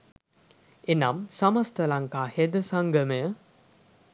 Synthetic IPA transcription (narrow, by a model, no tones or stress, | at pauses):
enamsamast̪əlaŋkaːhed̪əsaŋɡəməjə